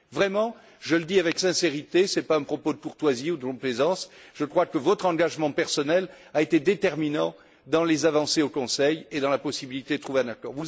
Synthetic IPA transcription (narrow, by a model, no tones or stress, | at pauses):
vʁɛmɑ̃ | ʒələd̪iavɛksɛ̃seʁit̪esɛpaɛ̃pχɔpod̪əkuʁt̪waziud̪əkɔ̃plezɑ̃sʒ̥əkχwakəvɔt̪χɑ̃ɡaʒmɑ̃pɛʁsɔnɛlaet̪ed̪et̪ɛʁminɑ̃ | d̪ɑ̃lezavɑ̃seokɔ̃sɛjed̪ɑ̃lapɔsibilit̪ed̪ət̪χuveɛ̃nakɔ̰ʁvu